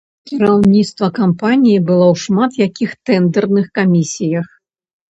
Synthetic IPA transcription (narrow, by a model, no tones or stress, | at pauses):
kʲiɾawnʲit̪st̪vɐkampanʲijibɨlˠɔwʂmat̪jakʲixt̪ɛnd̪ɛrnɨxkamʲisʲijɐx